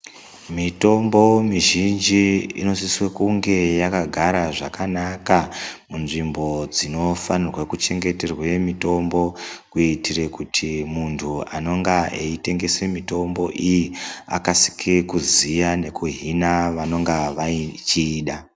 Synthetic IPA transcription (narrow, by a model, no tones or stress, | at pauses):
mito̞mbo̞miʒind͡ʒiḭno̞siswekuŋɡe̞jakaɡʱaɾaʐakanakamunʐimbo̞d͡zino̞fanirwekut͡ʃe̞ŋɡe̞te̞rwemito̞mbo̞kuitire̞kutʰimuntʰuano̞ŋɡaeite̞ŋɡe̞semito̞mbo̞ʔijia̰kasi̥kʰikuzijane̞kuɦinaʋano̞ŋɡaʋat͡ʃiːɗa